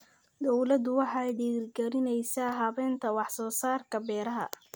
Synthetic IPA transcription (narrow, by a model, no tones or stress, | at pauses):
d̪ɔwlɐd̪ʊwɑħɑjɖiːrɡɐɾɪnɛjsaːɦɐβɛːnt̪ʰɐwɑħsɔːsaːrkʰɐbɛːɾɐɦɐ̰